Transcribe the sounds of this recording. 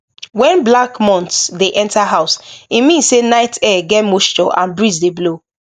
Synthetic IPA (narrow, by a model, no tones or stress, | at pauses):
wɛ̃nblakmɔ̃ntsdeʔɛ̃ntaɦaʊsimĩnssenaɪtɛɡɛtmoʃt͡ʃɔ̰ʔã̰nbɹizdeblo